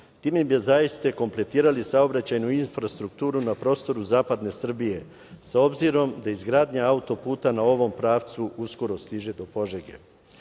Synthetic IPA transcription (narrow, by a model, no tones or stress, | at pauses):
t̪iːmebiezaist̪ako̞mple̞t̪iːɾalisao̞bɾat͡ɕajnuinfɾast̪ɾuk̚t̪uːɾunapɾo̞ːst̪o̞ɾuzaːpad̪ne̞sr̩bije̞ | sao̞bziɾo̞md̪aizɡɾaːd̪ɲaaut̪o̞puːt̪anao̞ʋo̞mpɾaːʋt̪suʔusko̞ɾo̞st̪iʒe̞d̪o̞po̞ʒeɡḛ